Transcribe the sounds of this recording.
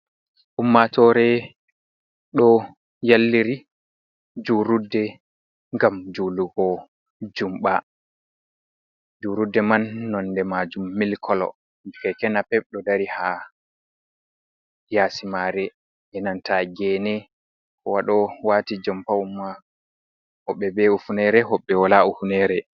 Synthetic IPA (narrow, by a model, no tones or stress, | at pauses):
ʔumːatɔɾɛ | ɗɔ | jalːiɾi | d͡ʒuɾudːɛ | ŋɡamd͡ʒuluɡɔ | d͡ʒumɓa | d͡ʒuɾudːɛmanːɔnːdɛmad͡ʒumːilkʰɔlɔ̰ | kɛkɛnapɛɓ̚ɗɔdaɾiha | jaːsimaɾɛ | jɛnantaɡɛnɛ | kɔwaɗɔwaːtid͡ʒɔmpawumːa | hɔɓɛbɛufunɛɾɛɦɔɓːɛwalaufunɛɾɛ